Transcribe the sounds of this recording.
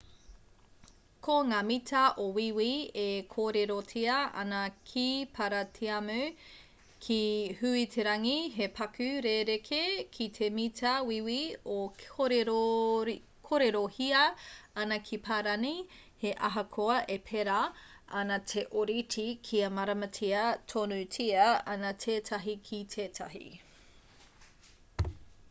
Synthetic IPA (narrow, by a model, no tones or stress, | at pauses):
kʰoŋaːmitʰɐʔowiwiekʰoːɾeɾotʰiɐʔɐ̰nɐkʰipʰɐɾɐtʰiɐmʉ | kʰihʉitʰeɾɐŋiɦepʰɐkʉɾeɾekʰekʰit̪ʰemitʰɐwiwiooɾɾ | kʰoɾeɾohiɐɐnɐkʰipʰaːɾɐni | heʔɐɦɐkʰoɐʔepʰeɾɐʔɐnɐtʰeʔoɾitikʰiɐmɐɾɐmɐtʰiɐtʰonʉtʰiɐɐnɐtʰeːtʰɐɦikʰitʰeːtʰɐ̰ɦḭ